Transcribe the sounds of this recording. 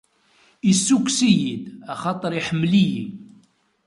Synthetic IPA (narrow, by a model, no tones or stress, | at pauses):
isːukʷsijid̪æχɑt̪ˤəɾˤiħəmːlijḭ